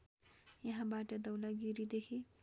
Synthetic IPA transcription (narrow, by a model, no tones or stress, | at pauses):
jʌɦãbaʈʌd̪ʌwlaɡiɾid̪ekʰi